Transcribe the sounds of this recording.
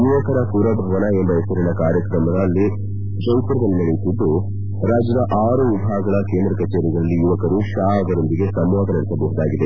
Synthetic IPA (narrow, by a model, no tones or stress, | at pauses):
juʋɐkɐɾɐpuːɾɐbʱɐʋɐnɐe̞mbɐesɐɾɐnɐkaːɾjɐkɾɐmɐd̪ɐːlːi | t͡ʃɐjt̪ɐɾɐd̪ɐlmeːlik̪uɖːu | ɾaːd͡ʒjɐd̪ɐʔaːɾuʋibʱaːɐɡɐɭɐkeːnd̪ɾɐkɐt͡ʃeːɾiɡɾɐlːijuʋɐkɐɾuʃaːɐɡ̪ɐɾond̪iɡe̞sɐmʋaːd̪ɐnɐɽisɐbɐɦud̪aːɡid̪e̞